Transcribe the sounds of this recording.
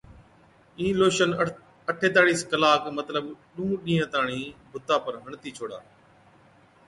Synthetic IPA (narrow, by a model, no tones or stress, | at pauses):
ĩːloːʃən | əʈʰeːt̪aːɽiːskəlaːkmət̪ləbɗũːɗĩːɦə̃t̪aːɳ̃iːbʱʊt̪aːpəɾɦəɳt̪iːt͡ʃʰoːɽa̰ː